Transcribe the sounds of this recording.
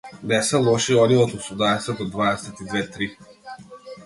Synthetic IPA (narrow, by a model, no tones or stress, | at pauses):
nɛsɛlˠɔʃiɔniɔt̪usud̪aɛsɛt̪̚ɔd̪vaɛsɛt̪id̪vɛt̪ɾi